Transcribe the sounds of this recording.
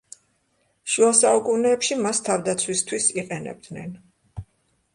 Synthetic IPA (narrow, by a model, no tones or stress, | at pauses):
ʃuasaukʼunɛːpʃimast̪ʰavd̪at̪sʰwist̪ʰwisiqʼɛnɛ̰b̚d̪nɛn